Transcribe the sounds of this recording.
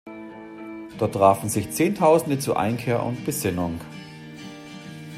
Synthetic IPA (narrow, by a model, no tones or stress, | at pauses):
d̥ɔɐtːʁ̥aːfn̩zɪçt͡seːntʰaʊzn̩dət͡suːɐʔa̰ɪnkʰeːɐʔʊ̰ntb̥əzɪnʊŋ